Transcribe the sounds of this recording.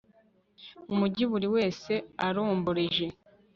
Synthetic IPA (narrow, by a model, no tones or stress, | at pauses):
umuɟiβuɾiwe̞ːse̞aɾoːmboɾeʒe̞